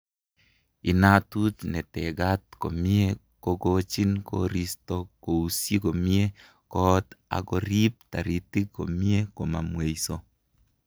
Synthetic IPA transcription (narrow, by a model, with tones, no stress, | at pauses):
i˨na˦tu˦tnɛ˨tɛ˨ɡa˦t̪̚ko̰˨mɪ˦e˦ | ko˨ɡo˦t͡ʃi˦nko̰˦ɾi˦sto˦ko˨u˨sji˦ko˨mje˦ | kɔ˦ta̰˨ɡɔ˨ɾi˦p̚ta̰˨ɾi˨ti˦ko̰˨mi˦e˦ko˨ma˨mwe˨iso˦